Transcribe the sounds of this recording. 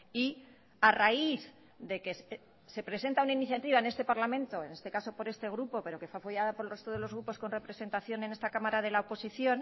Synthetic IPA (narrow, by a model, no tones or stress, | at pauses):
i | araiθ | ðe̞ke̞s | se̞pɾe̞se̞nt̪aunainiθjat̪iβ̞aene̞st̪e̞paɾlamẽ̞nt̪o̞ene̞st̪ekaso̞po̞ɾe̞st̪e̞ɣ̞ɾupo̞pe̞ɾo̞ke̞fweafoʝaðapo̞ɾelre̞st̪o̞ð̞e̞lo̞zɣɾupo̞sko̞nre̞pɾe̞se̞nt̪aθjo̞nene̞st̪akamaɾaðe̞laopo̞siθjo̞n